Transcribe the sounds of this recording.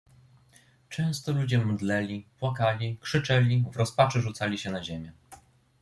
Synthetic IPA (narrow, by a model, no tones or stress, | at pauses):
t͡ʂɛ̃w̃st̪ɔlud͡ʑɛmd̪lɛlʲipwakalʲikʂɘt͡ʂɛlʲivɾɔspat͡ʂɘʐut̪salʲiɕɛnaʑemʲjɛ